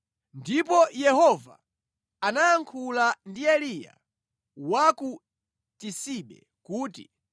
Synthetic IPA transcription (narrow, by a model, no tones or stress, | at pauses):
ndipɔjɛhɔva̰ | anaːŋkʰulandiɛlija̰ | waku | tisiɓɛ̰ | kuːtḭ